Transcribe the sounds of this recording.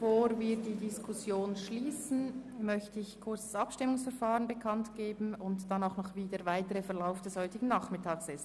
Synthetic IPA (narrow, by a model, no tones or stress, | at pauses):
foːɾviːɾdiːdiskʰʊsjoːnʃliːsn̩mœçtəɪçkʰʊɾt͡sḁsɑpʃtɪmʊŋsfɛɾfaːʁənbəkʰɑntɡ̥eːbn̩ʊntd̥ɑnaʊxnɔχviːdəvaɪtəʁəfɛɐlaʊfd̥ɛshɔʏtɪɡ̥ŋ̩n̩nːaːχmɪtʰaːksɛs